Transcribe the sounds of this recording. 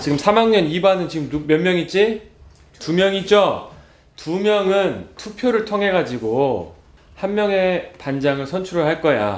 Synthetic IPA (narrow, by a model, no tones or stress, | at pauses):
t͡ɕiɡɯmsʰamaŋɲʌnibanɯnt͡ɕiɡɯmumjʌnmjʌŋit͡ɕ͈i | tumjʌŋid͡ʑo | tumjʌŋɯntʰupʰjoɾɯɭtʰʌŋɦe̞ɡad͡ʑiɡo | hanmjʌŋe̞pand͡ʑaŋɯɭsʰʌnt͡ɕʰuɾɯɭɦaɭk͈ʌja̰